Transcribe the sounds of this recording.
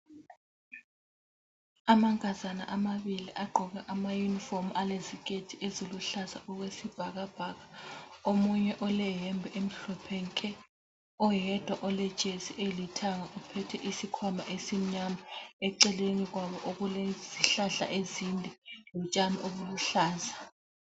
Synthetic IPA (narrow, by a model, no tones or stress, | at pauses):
amaŋʱʼazana̰ʔamaɓiliʔaɡ͡ǃʱɔɣ̬aʔamajunifomalezik̬ʼetʰiʔezoluɬaza̰ɔk̬wesib̥ʱaɣab̥ʱaɣḁomuɲɛʔɔlɛjɛmbʱɛʔem̩ɬɔpʰɛŋkʼɛ | ɔjɛd̥ʱwaʔɔlɛd̥ʒ̥ʱesiʔelitʰaŋaʔupʰɛtʰɛʔisikʰwamaʔesim̩ɲamaɛǀɛleniɣwaβɔʔoɣulɛz̥iɬaɬa̰ʔezindʱɛlɔt͡ʃʼamiʔoβuluɬaːzḁ